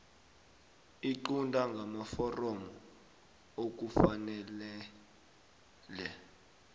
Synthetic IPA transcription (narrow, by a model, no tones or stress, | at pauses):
iǃundʱaŋɡʱamafɔrɔmɔ | ok̬ufanɛlɛ | lɛ